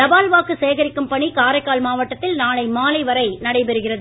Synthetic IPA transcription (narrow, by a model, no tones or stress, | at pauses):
t̪ɐbaːlʋaːkːɯseːɣɐɾɪkːɯmpɐɳikaːɾɐɪkːaːlmaːʋɐʈːɐt̪ːɪlnaːlɐɪmaːlɐɪʋɐɾɐɪnɐɽɐɪpɛɾɯɣɪrɐðɯ